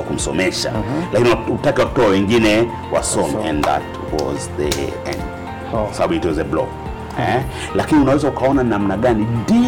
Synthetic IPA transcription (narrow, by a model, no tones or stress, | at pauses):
akum̩sɔmɛʃa̰lakiniautakiwakutɔawɛŋɡinɛ | wa̰sɔmɛ̰̃nða̰t | wɔ̰zðɛ̰ɛ̰n | kɔsabaɓuitwɔzɛblɔ̰k̚ | ɛ̰ | lakiniunawɛzaukaɔnanamnaɡanindi